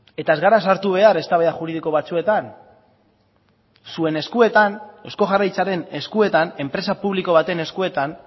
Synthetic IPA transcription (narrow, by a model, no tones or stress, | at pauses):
e̞t̪ae̞zɣaɾasaɾt̪uβ̞e̞aɾe̞st̪aβeaʝuɾiðiko̞β̞at͡sue̞t̪an | sue̞ne̞skue̞t̪ane̞sko̞ʝarajt͡saɾe̞ne̞skue̞t̪ane̞mpɾe̞sapuβliko̞βat̪e̞ne̞skue̞t̪an